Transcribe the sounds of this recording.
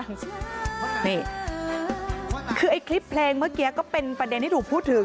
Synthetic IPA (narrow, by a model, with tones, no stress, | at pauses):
niː˥˩ | kʰɯː˧ʔa˧jkʰli˦˥pʰːleː˧ŋmɯ˥˩əki˧˥kːɔː˥˩pe˧npɾa˧de˧nt̪ʰiː˥˩uː˨˩pʰuː˥˩t̪ʰːɯ˨˩˦